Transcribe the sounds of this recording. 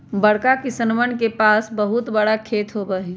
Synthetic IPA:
bəɽkakisənʋənkepaːsbəɦʊt̪bɐɽakʰeːt̪ɦobəɦi

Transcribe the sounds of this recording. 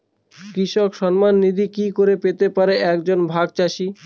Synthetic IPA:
kɾiʃɔkʃɔnmanːid̪ʱikikoɾepet̪epaɾeʔɛkd͡ʑonbʱaɡ̚t͡ɕaʃi

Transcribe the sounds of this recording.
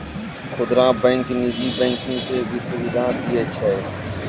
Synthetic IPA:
xʊd̪ɾãːbɛ̃ːŋknuːziːbɛ̃ːŋkɪ̃ŋɡt̪eːbʱɪsubɪd̪ʱãːt̪ʰiːət͡ʃʰaeː

